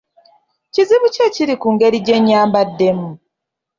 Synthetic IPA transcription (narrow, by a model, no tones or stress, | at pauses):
ciziβuceciɾikuːŋɡe̞ɾiɟe̞ɲːaːmbadːe̞mu